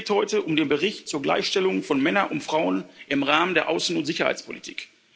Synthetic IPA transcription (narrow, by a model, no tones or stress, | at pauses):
thɔʏtəʔʊmdeːnbəʁɪçtt͡suːɐɡla̰ɪçʃtɛlʊŋfɔnmɛnɐʔʊntfʁ̥aʊənʔɪmʁaːməndeːɐʔaʊsn̩ʊntz̥ɪçɐha̰ɪt͡spʰo̰litʰi̥̰ːk